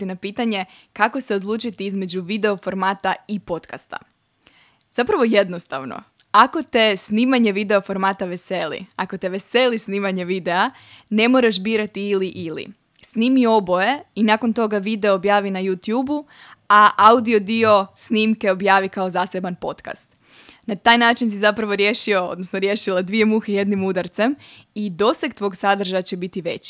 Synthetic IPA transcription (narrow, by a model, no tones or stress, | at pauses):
inapiːt̪aɲe̞kakoseod̪lˠuːt͡ʃit̪iizme̞d͡ʑuʋid̪e̞o̞fo̞ɾmaːt̪aipo̞t̪kast̪a̰ | z̥apɾaʋo̞jed̪no̞st̪a̰ʋno̰ | ako̞t̪e̞sniːmaɲe̞ʋid̪e̞ofo̞ɾmaːt̪aʋe̞selḭako̞t̪eʋe̞selisniːmaɲeʋid̪e̞a | ne̞moɾaʒbiːɾat̪iːliʔilḭ | sniːmio̞bo̞jeinaːko̞nt̪o̞ɡaʋid̪e̞oːbjaːʋinajut̪juːbu | aʔaud̪io̞d̪io̞sniːmke̞o̞bjaːʋikaozaːse̞banpo̞t̪ka̰st̪ | nat̪aːjnaːt͡ʃinsizapɾaʋo̞ɾje̞ːʃio̞o̰d̪nosnoɾje̞ːʃilˠad̪ʋije̞muːxeje̞d̪nimud̪aɾt̪sem | id̪o̞sekt̪ʋo̞ːɡsad̪r̩ʒajat͡ɕe̞bit̪iʋe̞t͡ɕi̥